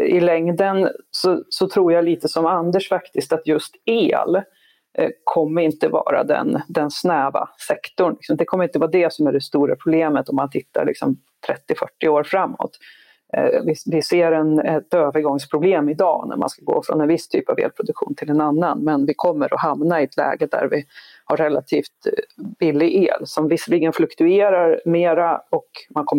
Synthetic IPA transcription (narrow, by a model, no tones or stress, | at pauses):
ɪlɛŋd̪ənsɔsɔt̪ʰɾuːɾjaliːt̪əsɔmand̪əʂfakt̪ɪskt̪at̪jɵst̪eːl | kʰɔmːəɾɪnt̪əvɑ̰ːɾa̰d̪ɛ̰nd̪ɛnsnɛːva̰sɛkt̪ʊɳlɪksɔmd̪ɛkʰɔmːəɾɪnt̪əvɑːd̪ɛsɔmæɖɛst̪uːɾapʰɾʊbleːmət̪ɔmːant̪ʰɪt̪ːa̰ɭɪ̰ksɔm | t̪ʰɾɛt̪ːɪfœʈːɪoːɾfɾamːɔ̰t̪ | vɪvɪseːɾɛnɛt̪øːvəɾɡɔŋspʰɾʊbleːmɪd̪ɑ̰ːnæ̰ɾma̰nskaɡo̰ːfɾɔ̰nɛnvɪst̪ʰy̰ːpavḛːlpʰɾʊd̪ɵkɧṵːnt̪ʰɪlɛnanːanmɛnvɪkʰɔmːəɾɔhamnaɪɛt̪ʰlɛ̰ːɡəd̪æ̰ɾvɪ | haɾːɛlːat̪ʰiːft̪bɪlːɪʔeːlsɔmvɪsəliːɡənflɵkt̪ɵeːɾaɾmeːɾaɔkmankʰɔmː